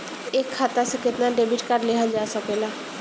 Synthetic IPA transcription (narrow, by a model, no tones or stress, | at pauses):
ekʰːat̪aseket̪naɖebiʈkaɖleɦad͡ʒaasɔkela